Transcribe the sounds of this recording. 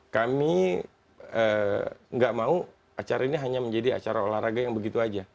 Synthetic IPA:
kami | əŋɡaʔmau | at͡ʃaɾainiɦaɲaməɲd͡ʒadia̰t͡ʃaɾaolahraɡajaŋbəɡit̪uad͡ʒa

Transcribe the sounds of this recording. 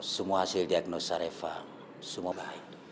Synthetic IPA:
sumohasildiaknosaɾefa | sumoɡahait

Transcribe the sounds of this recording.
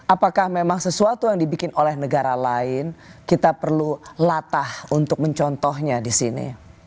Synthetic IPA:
ʔapakahmemaŋsəsuat̪ujaŋdibikɪnolɛhnəɡaɾalaɪnkit̪apərlulat̪ahunt̪ʊk̚məɲt͡ʃɔnt̪ɔɦɲadisinḭ

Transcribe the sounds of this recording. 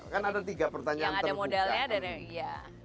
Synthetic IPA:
kanadat̪iɡapərt̪aɲaanaədamodalɲadanɛja

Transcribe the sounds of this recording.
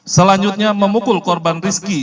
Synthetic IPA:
səlaɲd͡ʒut̪̚ɲaməmukʊlkɔrbanriski

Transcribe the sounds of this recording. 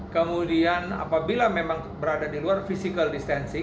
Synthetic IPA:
kəmudiana̰pabilamemaŋ | bəɾadadiluarfisikəldist̪ɛnsi

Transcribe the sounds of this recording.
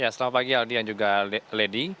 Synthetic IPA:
jasəlamat̪̚plaɡialdijaŋd͡ʒuɡaledi

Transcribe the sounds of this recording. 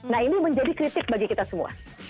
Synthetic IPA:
naɦiniməɲd͡ʒadikɾit̪ɪk̚baɡikit̪asəmṵa̰

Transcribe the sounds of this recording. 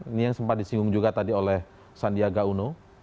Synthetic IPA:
inijaŋsəmpat̪̚disiŋɡʊŋd͡ʒuɡat̪adiolɛh | sandiaɡauno

